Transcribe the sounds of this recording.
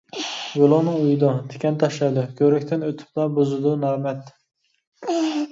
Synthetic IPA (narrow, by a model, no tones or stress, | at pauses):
ɡolˠoŋnɨŋujud̪ut̪ʰe̥kʲɛnt̪ʰɑʃlɑd̪ʊkʲʰøɾɛkʲt̪ʰɪnøt̪ʰy̥p̚lɑbozɨd̪unɑːmɛt̪